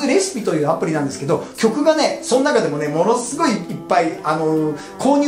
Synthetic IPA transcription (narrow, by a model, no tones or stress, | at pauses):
eɾe̞sɨ̥pʲit̪o̞jɯ̟ːapːɯ̟ɾʲinãnd̪e̞sɨ̥ke̞d̪okʲo̞kɯ̟ɡane̞so̞nnakad̪e̞mo̞ne̞mo̞no̞sɨɡo̞iːpːaiano̞ | kʰo̞ːɲ̟